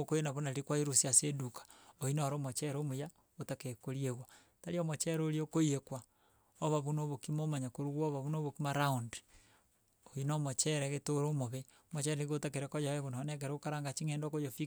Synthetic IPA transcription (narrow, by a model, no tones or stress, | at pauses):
okojenaβonaɾikwaiɾosiasedukḁoinaɾomot͡ʃɛɾomoja | otakeekoɾieɣwa | taɾiomot͡ʃɛɾoɾiokoiekwa | oβaβunoβokimomaɲakoɾuɣɔβaβunoβokimaɾaunde̥ | oinomot͡ʃɛɾɛɣetoɾoːmoβe | mot͡ʃɛɾeniɣotakeɾekojawɛɣonanɛk̬eɾɛokaɾaŋɡat͡ʃiŋɛːndokojofi